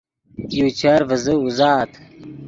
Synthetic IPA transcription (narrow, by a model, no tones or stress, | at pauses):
jut͡ɕʰɐɾvəzɨuzaːt̪ʰ